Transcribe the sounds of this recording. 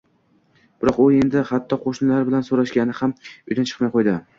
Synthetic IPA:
b̥ɪɾɒqʊe̞nd̪ɪhat̪ʰːɒqʰoʃnɪlaɾbɪlansoɾaʃɡʲanɪhamʊjd̪ant͡ʃʰɨ̥qmajqʰojd̪ɪ

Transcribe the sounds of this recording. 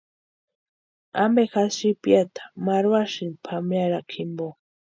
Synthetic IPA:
a̰mbexasipjat̪ʰḁmaɾwaʃinpʰamjaɾakʰimbo

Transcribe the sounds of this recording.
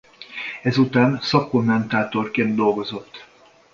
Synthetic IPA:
ɛzut̪aːnsɒkːo̞mːɛnt̪aːt̪o̞rkeːnd̪̚d̪o̞lɡo̞zo̞t̪ː

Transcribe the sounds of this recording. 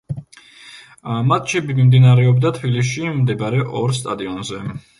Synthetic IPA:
mat̪̚ʰt͡ʃʰibimimd̪inaɾɛɔbd̪at̪ʰbilis̬imd̪ɛbaɾɛʔɔɾst̪ʼad̪iɔnzɛ

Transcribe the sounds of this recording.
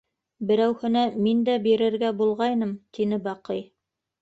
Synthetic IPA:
bɘ̆ɾæwhɘ̆næmind̪æbiɾɘ̆ɾɡæbulˠʁɑjnɤmt̪inɘbɑqɤj

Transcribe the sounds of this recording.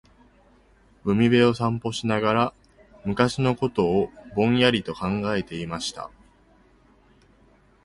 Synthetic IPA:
bɯ̟mʲibe̞o̞sãmpo̞ɕinaɡaɾa | mɯ̟kaɕino̞ko̞t̪o̞ːbõ̞ɰ̃jaɾʲit̪o̞kãŋɡae̞t̪e̞imaɕi̥t̪a̰

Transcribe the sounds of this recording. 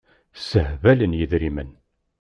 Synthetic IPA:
səhvælənjəðɾimən

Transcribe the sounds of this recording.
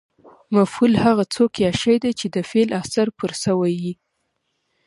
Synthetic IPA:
mafhulhaɣat͡sokjaʃajd̪at͡ʃed̪əfelasaɾpʊɾsəwajji

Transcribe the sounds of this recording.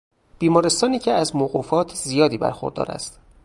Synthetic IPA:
b̥iːmɒːɾest̪ɒːniːcʰeæzmoːɣuːfɒːt̪ʰzijɒːd̪iːbæ̰ɾxoɾd̪ɒ̰ːɾæ̰st̪

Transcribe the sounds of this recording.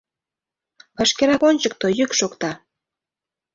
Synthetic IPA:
pɑʃkeɾɑkonʲt͡ɕək̚t̪ojykʃokt̪ɑ

